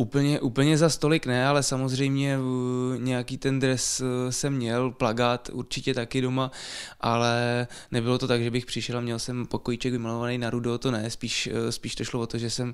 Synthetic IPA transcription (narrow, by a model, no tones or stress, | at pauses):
ʔupl̩ɲɛʔuːpl̩ɲɛzast̪o̞lɪknɛalɛsamozr̝ɛjmɲɛɲɛjakiːt̪ɛnd̪ɾɛssɛmːɲɛlplaɡaːt̪ṵɾt͡ʃɪcɛt̪akɪdo̞maʔalɛnɛbɪlo̞t̪o̞t̪aɡʒɛbɪxpr̥ɪʃɛlamɲɛlsɛmpo̞kojit͡ʃɛkɡvɪmalovanejnaɾudot̪onɛspiːʃspiːʃt̪oʃlovo̞t̪oʒɛsɛm